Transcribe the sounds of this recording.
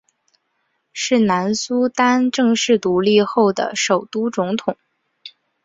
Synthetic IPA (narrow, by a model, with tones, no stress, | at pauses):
ʂɻ̩˥˩na˧˥nsu˥t̪a˥nʈ͡ʂɤ˥˧ŋʂɻ̩˥˩t̪u˧˥li˥˧xo˥˩ʊd̪ə̰˩ʂo˨˩ʊt̪u˥t͡sʊ˧˥ŋt̪ʰʊ˨˩˦ŋ